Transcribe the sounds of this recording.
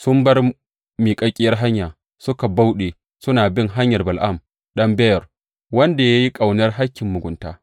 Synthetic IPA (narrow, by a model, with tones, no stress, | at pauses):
sʊ˦mbɐ˦r | miː˨kʼɐ˦kʲʼɪ˦jɐ˦rɦa˦ɲjaː˨ | sʊ˦ka˨ba˦wɗeː˨ | sʊ˦naː˨bɪ˦ŋɦa˦ɲjɐ˨rbɐ˨lʔa˦˨m | ɗɐ˦mbɛ˦jɐ˨r | wɐ˦nda˨ja˦ji˦kʼa˨wnɐ˦rɦa˦kʲːɪ˨mːʊ˨ɡʷʊ˨nta̰ː˦